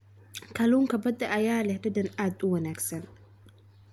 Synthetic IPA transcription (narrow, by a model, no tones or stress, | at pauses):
kʰɐluːŋkʰɐbɐd̪ɐʔɐjaːlɛhd̪ɐd̪ɐnaːd̪ʊwɐnaːɡsɐn